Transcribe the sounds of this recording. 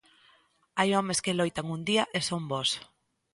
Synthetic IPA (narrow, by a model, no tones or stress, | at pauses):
ajomeskelojt̪aŋund̪iaʔesombos